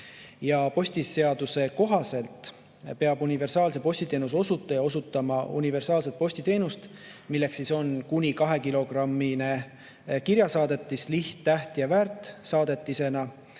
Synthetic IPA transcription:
jɑpo̞sʲt̪ise̞ɑd̪̥use̞ko̞ɦɑse̞lt̪ˑ | pe̞ɑbunive̞rsɑːlse̞po̞sʲt̪it̪e̞ːnuso̞sut̪ːˑejɑo̞sut̪ːˑɑmɑṵnive̞rsɑːlse̞t̪̚po̞sʲt̪it̪e̞ːnust̪ | milːe̞ksiso̞nkunʲikɑɦe̞kilo̞ɡrɑmːine̞ | kiɾjɑsɑːd̪e̞t̪ːˑisliht̪ːæht̪jɑvæːrt̪ːˑsɑːd̪̥e̞t̪ːˑise̞nɑ

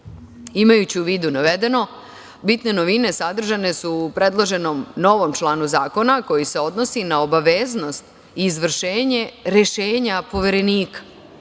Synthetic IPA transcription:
imajut͡ɕiuʋiːd̪unaʋe̞d̪e̞no̞ | bit̪ne̞no̞ʋine̞sad̪r̩ʒane̞suːpɾe̞d̪lˠoʒe̞no̞mno̞ʋo̞mt͡ʃlaːnuzaːko̞nako̞jise̞o̞d̪no̞sinao̞baʋeːzno̞st̪ | iːzʋr̩ʃeːɲe̞ɾe̞ʃe̞ːɲapo̞ʋe̞ɾe̞niːkḁ

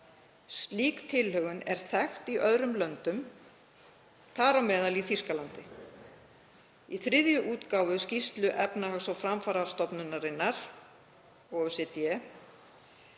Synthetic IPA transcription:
st̪liːkt̪ʰɪlhœɣʏnɛɾ̥θɛxt̪iʔœðɾʏmlœnt̪ʏm | t̪ʰaːɾawmɛːðaliθiskalant̪ɪ | iθɾɪðjʏʔuːt̪kaːwvʏscist̪lʏʔɛpnahasɔwfɾamfaːɾast̪ɔpnʏnːaɾɪnːaɾ̥ | ɔɣsɛt̪jɛ

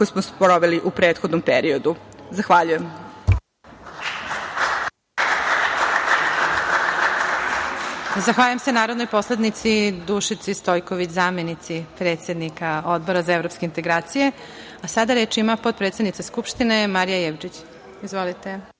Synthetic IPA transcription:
osmospɾoʋeliʔupɾeːt̪xod̪nompeɾiod̪uzaxʋaʎujem | zaxʋaːʎujemsenaːɾod̪nojpo̞sled̪nit̪sid̪uʃit̪sist̪o̞jkoʋit͡ɕzaːmjenit̪sipɾe̞ːt̪sje̞d̪nikao̞d̪̚bo̞ɾazaevɾo̞ːpskeint̪e̞ɡɾaːt̪sije̞ | asad̪aɾe̞ːt͡ʃimapo̞t̪̚pɾet̪sed̪nit̪askupʃt̪ine̞maɾijajeʋd͡ʒit͡ɕ | izʋolit̪e

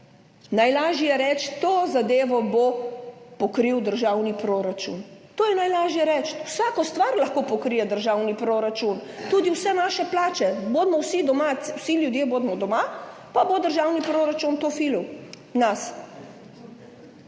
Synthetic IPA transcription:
najlaːʒijɛɾɛt͡ʃt̪oːzad̪eːʋɔbopɔkɾiwd̪əɾʒawnipɾoːɾat͡ʃṵnt̪oːjɛnajlaːʒjɛɾɛt͡ʃwsaːkɔst̪ʋaɾlɐxkopɔkɾijɛd̪əɾʒawnipɾoːɾat͡ʃunt̪uːd̪iwsɛnaːʃɛplaːt͡ʃɛboːd̪mɔwsid̪ɔmawsiljud̪jeːboːd̪mɔd̪ɔma | pabod̪əɾʒawnipɾoːɾat͡ʃunt̪ofiluw | nas

